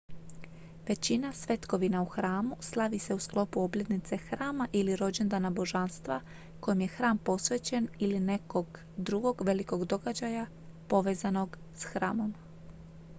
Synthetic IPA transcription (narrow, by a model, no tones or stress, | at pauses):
ʋe̞t͡ɕinasʋe̞t̪ko̞ʋinauxɾaːmuslˠaʋise̞usklˠo̞puo̞bʎe̞t̪nit̪se̞xɾaːmaʔiliɾo̞d͡ʑe̞nd̪anabo̞ʒanst̪ʋa | ko̞jimje̞xɾaːmpo̞sʋe̞ːt͡ɕe̞niline̞ko̞ɡ | d̪ɾuɡo̞ɡʋe̞liko̞ɡd̪o̞ɡad͡ʑaja | po̞ʋe̞ːzano̞ɡ | sxɾa̰ːmo̞m